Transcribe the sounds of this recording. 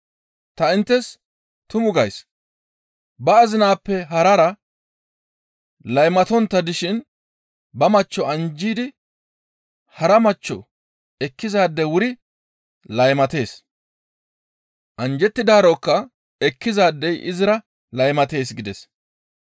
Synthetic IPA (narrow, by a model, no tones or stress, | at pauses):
t̪ɐɪnt̪ːɛs | t̪ʊmʊɡɐjs | bɐːzɪnaːpːɛɦɐɾɐɾɐ | lɐjmɐt̪ɔnt̪ːɐd̪ɪʃɪn | bɐmɐt͡ʃːɔɐnd͡ʒiːd̪ɪ | hɐɾɐmɐt͡ʃːɔ̰ | ɛkːɪzaːd̪ːɛwʊɾɪ | lɐjmɐt̪e̞ːs | ʔɐnd͡ʒɛt̪ːɪd̪aːɾɔkːɐ | ɛkːɪzaːd̪ːɛjʔɪzɪɾɐ | lɐjmɐt̪e̞ːs̬ɡɪd̪ɛs